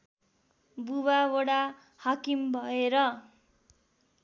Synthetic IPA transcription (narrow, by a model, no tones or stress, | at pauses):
buβaoɽa | hakimbʱʌeɾʌ